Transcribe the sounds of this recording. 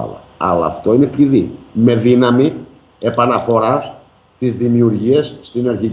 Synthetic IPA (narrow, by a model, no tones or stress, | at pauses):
ɐ̰lɐ̰ɐ̰lɐ̰ːft̪o̞inepliðime̞ðinɐmi | e̞pɐnɐfo̞ɾɐs | t̪izðimiuɾʝiɐsːt̪inɐɾçi